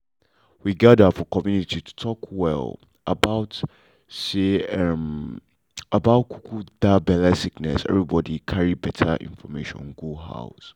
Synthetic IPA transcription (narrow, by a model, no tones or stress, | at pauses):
wiɡadəfɔkɔmjunititʰu̥tʰɔkwɛ̰l | ə̰baʊt | seɛm | əbaʊtkʰu̥kʰudabɛlasiknɛ̰sɛ̰vɹibɔdikʰaɹibɛtʰə̰ʔḭ̃nfɔmeʃɔ̰̃nɡuɦa̰ʊs